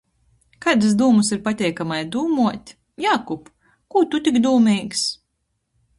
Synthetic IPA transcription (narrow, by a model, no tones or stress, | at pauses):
kaːd̪ɨs̬d̪uːmusiɾpat̪ʲɛjkamajd̪uːmuɔt̪ʲ | jaːkup | kuːt̪ut̪ʲikd̪uːmiːks